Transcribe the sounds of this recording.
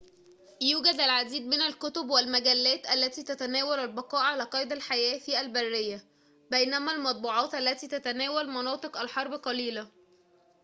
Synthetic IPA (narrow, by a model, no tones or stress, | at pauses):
juːɡæd̪ælʕad̪iːd̪mɪnælkʊt̪obwælmæɡælːæːt̪ʔælːæt̪iːt̪æt̪ænæːwælælbɑqɑːʔʕalæːqɑːjd̪ælħajæːfiːʔælbærːɪjːæ | bæjnæmælmɑt̪̚ˤbuːʕɑːt̪ʔælːæt̪iːt̪æt̪ænæːwælmɑnɑːt̪ˤɨqʔælħɑɾˤbqɑliːlæ